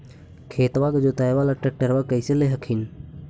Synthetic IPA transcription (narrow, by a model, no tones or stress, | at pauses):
kʰeːt̪ʋaːkd͡ʒoːt̪ajʋaːlaʈːək̚ʈəɾʋakəɪseleɦɐkʰin